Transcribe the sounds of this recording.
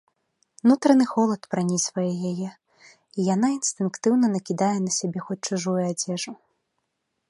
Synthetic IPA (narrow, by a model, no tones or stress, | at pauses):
nut̪ɾɐnɨxɔlˠɐt̪pɾanʲizvɐjɛjajɛ | ijanainst̪ɨnkt̪ɨwnɐnɐkʲid̪ajɛnɐsʲabʲɛxɔt͡sʲt͡ʂuʐujuad͡zʲɛʐu